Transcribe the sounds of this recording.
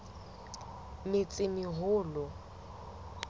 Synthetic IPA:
mɪt͡sʼɪmɪɦʊːlʊ

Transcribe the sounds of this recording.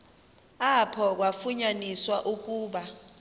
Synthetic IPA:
apʰɔk̬wafuɲaniswaʔuk̬ʼuːɓa

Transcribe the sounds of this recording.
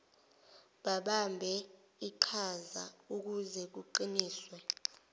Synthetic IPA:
ɓaɓambʱɛ | iǃʰaza̰uk̬uzɛk̬uǃiniːswɛ

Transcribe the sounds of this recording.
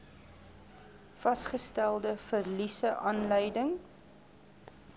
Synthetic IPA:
fɐsχəstælˠdəfərlisəʔɑːnləjdəŋ

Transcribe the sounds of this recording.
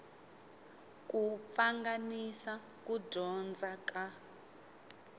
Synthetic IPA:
k̬up̪faŋɡanisa | k̬ʼudʱɔnd͡zʱaka

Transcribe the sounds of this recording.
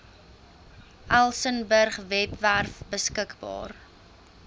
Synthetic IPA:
ʔælˠsənbərχvɛpværfbəskəkbɑ̰ːr

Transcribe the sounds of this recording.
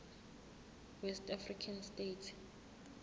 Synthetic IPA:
wɛstʰʼafrikʰanstʼetʰ

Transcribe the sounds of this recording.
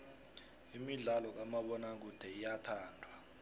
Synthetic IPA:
imiɮalɔk̬amaɓɔnak̬ud̥ʱɛijatʰaːndʱwa

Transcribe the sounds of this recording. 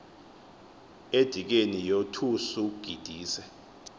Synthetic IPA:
ed̥ʱik̬enijotʰusuɡ̥ʱid̥ʱiːsɛ

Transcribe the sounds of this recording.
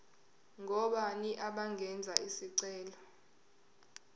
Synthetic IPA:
ŋʱɔɓaniʔaɓaŋɡʱɛnd͡zʱaʔisiǀɛːlɔ

